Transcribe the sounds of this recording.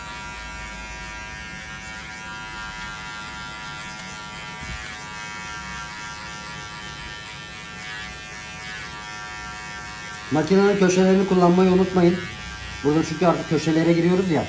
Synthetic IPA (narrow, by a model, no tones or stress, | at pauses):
macinanɯncʰøʃelʲe̞ɾinikʰulˠːanmajɯunut̪majɯn | buɾd̪at͡ʃʰyɲʲcyaɾt̪ʰɯ̥k̚cʰːøʃe̞lʲe̞ɾɛɟiɾijo̞ɾuzja